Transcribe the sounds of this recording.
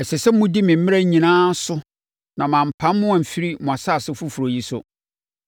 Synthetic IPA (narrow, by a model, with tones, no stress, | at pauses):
ɛ˨sɛ˨sɛ˦mʊ̃˦di˦mɪ̃˨m̩˦mɪ̃˦ɾa˦ɲĩ˨nãː˦sʊ˦ | nã˨mã˨m̩˨pʰã˨˦nmʊ̃˦ã˨m̩˨fi˦ɾi˦mʊ̃˨a˨saː˦˨sɪ˦fu˦fu˨ɾo˨ji˦sʊ̰˦